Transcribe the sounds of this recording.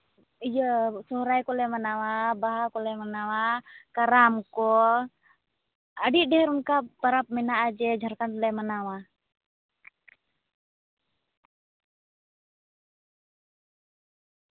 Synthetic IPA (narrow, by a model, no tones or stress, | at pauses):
jəsɔɦɾajkɔlɛmanawabaɦakɔlɛmanawakaɾamkɔ | əɖiɖɛɛɾunkat̪aɾap̚mɛnaʔad͡ʒɛd͡ʒʱəɾkanlɛmanawa